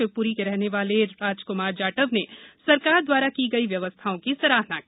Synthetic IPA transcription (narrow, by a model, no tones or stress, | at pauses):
ɪpuːɾikeɾɛɦneʋaːleɾaːd͡ʒkʊmaːɾd͡ʒaːʈəʋnesɐɾkaːɾd̪waːɾakiɡɐiʋjɐʋəst̪ʰaõkisɐɾaːɾnaki